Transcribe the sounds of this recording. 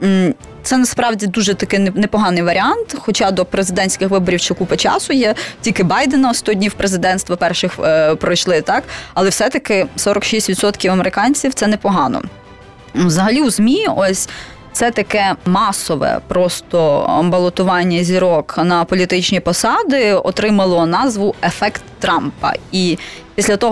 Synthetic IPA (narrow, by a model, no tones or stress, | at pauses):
t̪sɛnɐspɾɑwdʲid̪uʒɛt̪ɐkɪnɛpɔɦɑnɪjʋɐɾʲiɑnt̪xɔt͡ʃɑd̪ɔpɾezɪd̪ɛnʲsʲkɪxʋɪbɔɾʲiwt͡ʃɪkupɐt͡ʃɑ̰sʊjɛtʲilʲkɪbɑjd̪enɐst̪ɔdʲnʲiwpɾezɪd̪ɛnst̪ʋɐpɛrʃɪxpɾɔjʃlˠɪt̪ɑkɐlˠɛwsɛt̪ɐkɪsɔɾɐkʃisʲtʲʋʲid̪sɔt̪kʲiwɐmeɾɪkɑnʲt͡sʲiwt̪sɛnɛpɔɦɑnɔ̰ | wzɐɦɐlʲiwzmʲiɔsʲ | t̪sɛt̪ɐkɛmɑsɔʋɛ̰pɾɔst̪ɔbɐlˠɔt̪ʊʋɑnʲːɐzʲiɾɔknɐpɔlʲit̪ɪt͡ʃnʲipɔsɑd̪ɪɔ̰t̪ɾɪmɐlˠɔnɑzʋʊefɛkt̪ːɾɑmpɐ̰i | pʲisʲlʲɐt̪ɔɦ